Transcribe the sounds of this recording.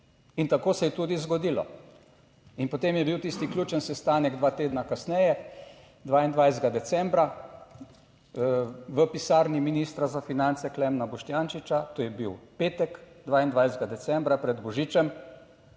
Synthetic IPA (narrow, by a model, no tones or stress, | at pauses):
int̪akoːsɛjɛt̪ud̪izɡɔd̪iːlɔ̰ | inpot̪emjɛbiwt̪ist̪ikljuːt͡ʃənsɛst̪aːnɛɡd̪ʋaːt̪eːd̪nakasnɛjɛ | d̪ʋaːind̪ʋajzd̪ɡad̪ɛt̪sɛ̃mbɾa | ʋəpisaːɾniminist̪ɾazafinant̪sɛklɛmnabɔʃt̪jaːnt͡ʃit͡ʃat̪oːjɛbiwpeːt̪ɛk | d̪ʋaːind̪ʋajzd̪ɡad̪ɛsɛmbɾapɾɛd̪bɔʒiːt͡ʃɛm